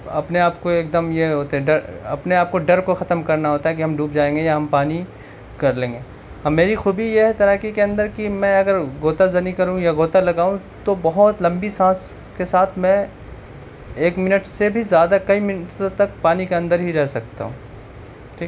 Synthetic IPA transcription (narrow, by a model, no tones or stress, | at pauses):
ɐpneaːp̚koeːk̚d̪əmjeɦoːt̪eɦɛ̃ɖɐɾɐ̰pneaːp̚koɖɐɾkoxɐt̪əmkɐɾnaɦoːt̪aɦɛkiɦɐmɖʱuːpd͡ʒaːẽːŋɡejaɦɐmpaːni | kɐɾlẽːŋɡeː | ɐmeːɾixuːbijeɦt̪ɐɾaːkikeɐ̃nd̪əɾkimɛ̃ɐɡəɾɡoːt̪azɐnikɐɾũjaɡoːt̪alɐɡaːũ | t̪obɐɦɔt̪lɐ̃mbisãːs | kesaːt̪ʰmɛ̃ | eːkmɪnəʈsebʱizjaːd̪akɐimɪnʈõt̪ɐk̚paːnikeɐ̃nd̪əɾɦiɾɛɦsɐk̚t̪a̰ɦṵ̃ː